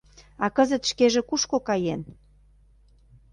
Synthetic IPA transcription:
ɑkəzə̆t̪ʃkeʒĕkuʃkokɑjen

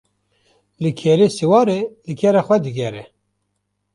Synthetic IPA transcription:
lɨkʰɛɾeːsiwɑːɾelɨkʰɛɾɑxwɛd̪ɨɡɛɾɛ

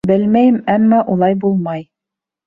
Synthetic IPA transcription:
bɘlmæjɘmæmːɑʔulˠɑjbulˠmɑj

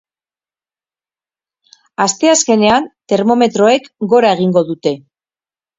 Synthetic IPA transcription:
ast̪e̞aske̞ne̞ant̪e̞ɾmo̞me̞t̪ɾo̞e̞kɡo̞ɾaeɣ̞iŋɡo̞ðut̪e̞

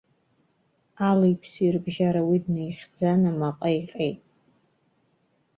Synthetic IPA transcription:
alejpʰsirbʒaɾawidnejχʲd͡zanamaqʼajqʲʼejtʼ

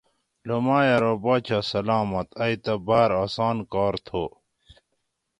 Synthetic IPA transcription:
lomaːjɐɾobaːt͡ɕʰɐsɐlaːmɐt̪ɐit̪ɐbaːɾaːsaːnkaːɾt̪ʰo

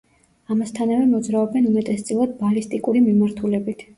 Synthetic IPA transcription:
amast̪ʰanavɛmɔd̪zɾaɔbɛnumɛt̪ʼɛst̪sʼilˠad̪̚balist̪ʼikʼuɾimimaɾt̪ʰulɛbit̪ʰ

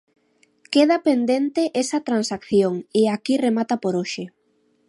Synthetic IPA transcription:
keð̞apend̪ent̪eʔesɐt̪ɾansakθjoŋɪakiremat̪apoɾoʃɪ

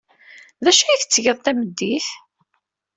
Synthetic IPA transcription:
ðæʃæjiθt͡sːʝəðˤt̪æməd̪ːiθ

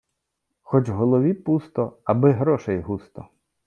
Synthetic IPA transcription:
xɔt͡ʃwɦɔlˠɔʋʲipust̪ɔɐbɪɦɾɔʃɛjɦust̪ɔ

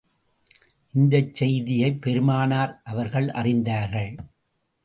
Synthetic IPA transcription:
ʔɪnd̪ɐt͡ʃːɛjðɪjɐɪpːɛɾɯmaːnaːɾʔɐʋɐɾɣɐɭʔɐ̰rɪnd̪aːɾɣɐɭ

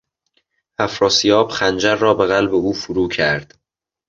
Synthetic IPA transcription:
hæfɾɒːsijɒːb̥xænd͡ʒæɾːɒːbe̞ɣælbeuːfuɾuːcʰæɾd̪̥

